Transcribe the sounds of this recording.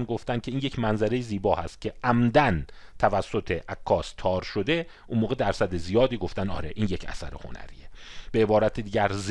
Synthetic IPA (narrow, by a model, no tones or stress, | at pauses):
nɡoft̪ænd̪kʰeiːnje̞cʰmænzæɾe̞jeziːbɒːhæ̰st̪̚cʰe̞ʔæmd̪ænt̪ʰævæsːot̪ʰeʔækʰːɒːst̪ʰɒːɾʃo̞d̪e̞ | ʔunmoːɣed̪æɾsæd̪ezijɒːd̪iːɡo̞ft̪ænd̪ɒ̰ːɾeʔiːnje̞cʰæ̰sæ̰ɾḛho̰næ̰ɾḭːeb̥eebɒːɾæt̪ʰed̪iːɟæɾz